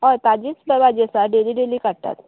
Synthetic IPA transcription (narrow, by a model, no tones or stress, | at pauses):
ɦɔjt̪ad͡ʑiːt͡sbəbad͡ʑesaɖeliɖeliːkaɽt̪a̰t̪